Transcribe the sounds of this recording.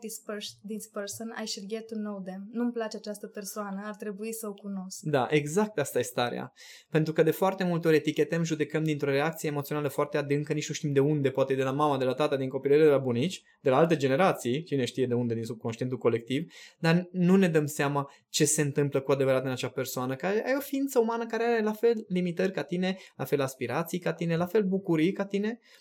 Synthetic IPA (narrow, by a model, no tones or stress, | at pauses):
d̪ispd̪ispərsona̰jʃilɡʲet̪unowd̪emnumplat͡ʃeat͡ʃast̪əpe̞rsoanəart̪ɾe̞buisəokuno̞skd̪aʔe̞ɡzak̚t̪ast̪aje̞st̪aɾḛa̰ | pe̞nt̪ɾukəd̪e̞foart̪e̞mult̪eo̞ɾʲet̪ikʲe̞t̪emʒud̪e̞kəmd̪int̪ɾo̞re̞ak̚t̪sijeːmot̪sionaləfoart̪e̞ad̪ɨŋkənit͡ʃnuʃt̪imd̪e̞und̪e̞poat̪e̞d̪e̞lamamad̪e̞lat̪at̪əd̪iŋko̞pileɾed̪elabunit͡ʃʲ | d̪̥e̞laalt̪e̞d͡ʒe̞ne̞ɾat̪sijt͡ʃine̞ʃt̪ijed̪e̞und̪e̞d̪insub̚ko̞nʃt̪ient̪ulko̞le̞k̚t̪ivd̪arnune̞d̪əmseama | t͡ʃe̞se̞nt̪ɨmpləkuad̪e̞vəɾat̪ɨnat͡ʃape̞rsoanəkaɾeʔajeo̞fiint̪səumanəkaɾeaɾe̞lafe̞lːimit̪ərʲkat̪ine̞lafe̞laspiɾat̪sijkat̪ine̞lafe̞lbukuɾikat̪ine̞